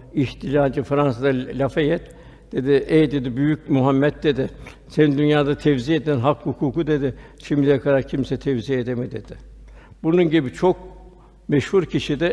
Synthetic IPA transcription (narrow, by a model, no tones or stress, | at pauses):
içt̪ʰilʲaːd͡ʒɯfɾansad̪alʲafejɛt̪ | d̪̥e̞d̪ɪʔɛjd̪e̞d̪ibyjyc̚myɦamːɛt̪̚d̪e̞d̪ɪ | senind̪ynjaːd̪at̪ʰɛvzied̪ɛnɦakhukʰuːkud̪e̞d̪ɪʃimd̪ʲijakʰaɾak̚cʰimsɛt̪ʰɛvzied̪emid̪e̞d̪̥ɪ | bununɟibit͡ʃʰo̞k̚ | mɛʃhuɾcʰiʃid̪ɛ